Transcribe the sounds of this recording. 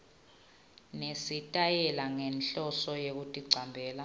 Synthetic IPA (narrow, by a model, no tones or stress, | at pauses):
nesitʼajɛlaŋɛnɬɔsɔjek̬utʼiǀʱambʱɛːla